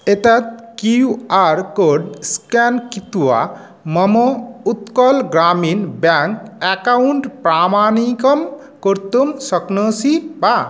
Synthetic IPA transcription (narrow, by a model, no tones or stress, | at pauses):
et̪at̪̚kiuaɾkoɖskɛnkit̪uwa̰ | mɐmout̪kɔlɡɾaminbaŋkɛkauɳʈpɾamanikɔm | koɾt̪umsʌknɔsiba